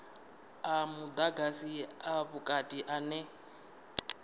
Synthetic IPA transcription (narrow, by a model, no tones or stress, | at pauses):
amud̪aɡasiaβukʼatʼiʔanɛ